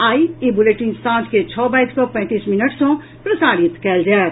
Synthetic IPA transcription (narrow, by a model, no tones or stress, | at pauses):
aːiebʊleʈɪ̃ŋsãːnsket͡ʃʰɔːbaːiskopɛ̃ːt̪iːsmɪnəʈsõ | pɾɐsaːɾɪt̪kɛld͡ʒaː